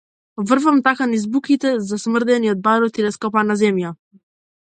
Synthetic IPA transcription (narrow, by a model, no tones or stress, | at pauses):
vr̩vamt̪akanizbukit̪ɛzasmr̩d̪ɛniɔd̪̚baɾɔt̪ilɛskɔpanazɛmja